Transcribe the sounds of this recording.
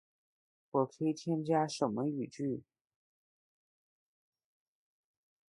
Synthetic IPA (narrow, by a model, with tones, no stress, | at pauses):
wɔ˨˩kʰe˥˩ɪt̪ʰjɛ˥nt͡ɕja˥ʂə˨˩nmə˦y˨˩t͡ɕy˥˩